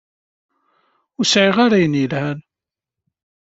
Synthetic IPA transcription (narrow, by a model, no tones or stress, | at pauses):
ʊɾsʕiʁaɾajənjəlhæn